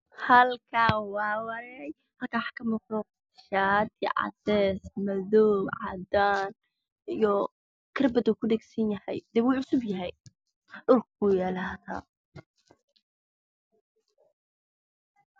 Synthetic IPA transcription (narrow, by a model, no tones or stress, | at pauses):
hɐlkʰaːwɑːwɐɾɛj | hɐlkʰaːwħkʰɐmɐqdɔ | ʃaːd̪ʰɪ̰ʕɑ̰dɛːsmɐðɔːbʕɑ̰d̪aːn | ijɔ | kʰɐrbɐd̪ukʰʊɖɛɡsɐnjɐhɛjd̪ɛːwuːʕʊsʊbjɐɦɛj | ɖʊlkujɛːlaːða̰ː